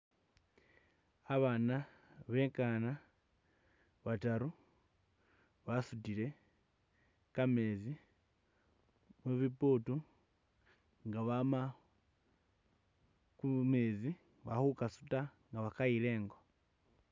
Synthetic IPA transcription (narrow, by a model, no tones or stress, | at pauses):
aβana | βe̞ŋkana | βataɾu | βasutile̞ | kame̞zi | mweβiputu | ŋɡaβama | kumezi | βaxukasu̥taŋɡaβakaile̞ːŋɡo̞